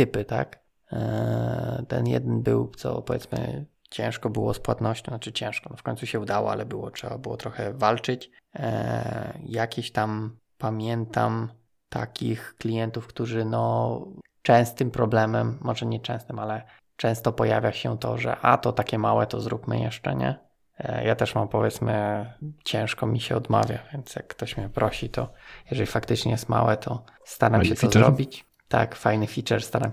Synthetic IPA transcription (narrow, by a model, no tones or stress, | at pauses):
t̪ɘpɘt̪a̰k | t̪ɛ̰njɛ̰d̪ɛnbɘwt̪sɔ̰pɔvʲjɛt̪smɘ̰ | t͡ɕɛ̰̃w̃ʂkɔbɘwɔspwat̪nɔɕt͡ɕɔ̃at͡ʂɘt͡ɕɛ̃w̃ʂkɔnɔfkɔɲt̪suɕɛud̪awɔ̰a̰lɛbɘwɔtʂɛbabɘwɔt̪ɾɔxɛvalt͡ʂɘt͡ɕ | jakʲeɕt̪am | pamʲjɛnt̪am | t̪a̰kʲixklʲijɛnt̪ufkt̪uʐɘnɔ | t͡ʂɛ̃w̃st̪ɘmpɾɔblɛmɛmːɔʐɛɲɛt͡ʂɛ̃st̪ɘmalɛ | t͡ʂɛ̃w̃st̪ɔpɔjavʲjaɕɛt̪ɔ̰ʐɛ̰ʔat̪ɔt̪akʲɛmawɛt̪ɔzɾupmɘ̰jɛʂt͡ʂɛ̰ɲɛ̰ | jat̪ɛʂmampɔvjɛt̪smɘt͡ɕɛ̃w̃ʂkɔmʲiɕɛɔd̪ma̰vʲjavʲjɛnt̪sjakːt̪ɔɕmʲɲɛpɾɔɕit̪ɔjɛʐɛlʲifakt̪ɘt͡ʂɲɛjɛst̪ma̰wɛt̪ʰɔst̪aɾamɕɛt̪ɔzɾɔbʲit͡ɕ | t̪a̰kfajnɘfʲit͡ʂɛɾst̪aɾam